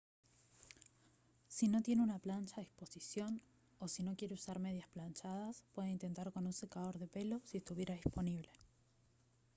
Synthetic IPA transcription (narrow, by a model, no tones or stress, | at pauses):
sino̞t̪je̞neunaplant͡ʃaðispo̞sisjo̞n | o̞sino̞kje̞ɾeusaɾme̞ð̞jasplant͡ʃað̞aspwe̞ðeint̪e̞nt̪aɾko̞nunsekaðo̞ɾðe̞pe̞lo̞sie̞st̪uβje̞ɾaðispo̞niβ̞le̞